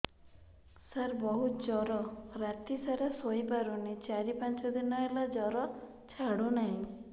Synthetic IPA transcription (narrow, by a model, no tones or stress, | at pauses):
saɾbɔɦut̪d͡ʒɔɾɔɾat̪isaɾesojpaɾunit͡ʃaɾipant͡ʃɔd̪inɔelad͡ʒɔɾɔ | t͡ʃʰaɽunaɦĩ